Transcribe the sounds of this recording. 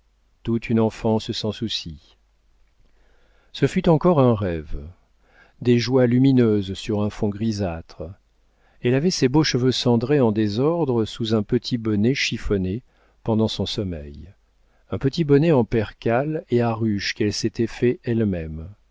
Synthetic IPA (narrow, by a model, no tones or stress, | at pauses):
t̪ut̪ynɑ̃fɑ̃səsɑ̃susi | səfyt̪ɑ̃kɔʁɛ̃ʁɛv | d̪eʒwalyminøzsyʁɛ̃fɔ̃ɡʁizat̪χ | ɛlavɛseboʃəvøsɑ̃d̪ʁeɑ̃d̪ezɔʁd̪ʁəsuzɛ̃pət̪ʰibɔnɛʃifɔne | pɑ̃d̪ɑ̃sɔ̃sɔmɛ̰j | ɛ̃pət̪ibɔnɛɑ̃pɛʁkaleaʁyʃkɛlset̪ɛfɛɛlmɛm